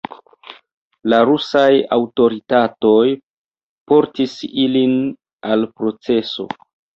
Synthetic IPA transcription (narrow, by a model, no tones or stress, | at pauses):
laɾusajawto̞ɾitato̞j | po̞ɾtisilin | alpɾo̞t͡se̞so̞̰